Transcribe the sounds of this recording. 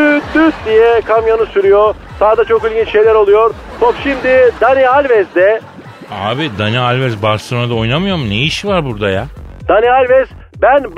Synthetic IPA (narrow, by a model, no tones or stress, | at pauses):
yd̪yt̪̚d̪ijɛkʰamjanɯsyɾyjo | saːd̪at͡ʃʰo̞kilʲɟʲint͡ʃʃe̞jlʲæɾo̞lˠujo̞ɾ | t̪ʰopʃimd̪id̪anialʲvɛzd̪ɛ | aːbid̪anialʲvɛzbaɾsonad̪ao̞jnamɯjo̞ɾmunejiʃivaɾbuɾd̪ajad̪̥anialʲvɛz̥ | bænb